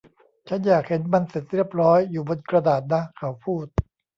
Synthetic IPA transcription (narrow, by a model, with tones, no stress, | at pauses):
t͡ɕʰa˦˥njaː˨˩k̚he˩˦nma˧nse˨˩t̪̚ɾi˥˩əp̚ɾɔː˦˥jːuː˨˩bo˧nkɾa˧daː˨˩t̪̚na˦˥kʰa˦wpʰuː˥˩t̪̚